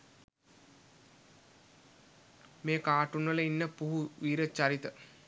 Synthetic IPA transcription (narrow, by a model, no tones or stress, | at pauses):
meːkaːʈunʋələinːəpuɦuʋiːɾət͡ɕaɾit̪ə